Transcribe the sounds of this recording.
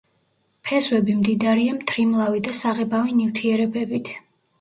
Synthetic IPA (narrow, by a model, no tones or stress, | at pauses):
pʰɛzwɛbimd̪id̪aɾiamt̪ʰɾimlˠavid̪asaʁɛbavinift̪ʰiɛɾɛbɛbit̪ʰ